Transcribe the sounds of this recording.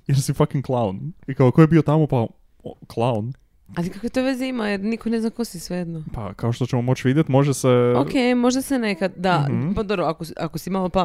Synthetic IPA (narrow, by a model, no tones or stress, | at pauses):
jeɾsifakiŋklˠaunikaokojebiot̪amo̞pa | klˠawn | alikakoet̪o̞ʋeziimajeɾnikoneznako̞sisʋejed̪nopa̰kaoʃt̪ot͡ɕemomo̞t͡ɕʋid̪jet̪mo̞ʒeseo̰kemo̞ʒd̪asene̞kad̪d̪apad̪obɾoakoʔakosimalˠopa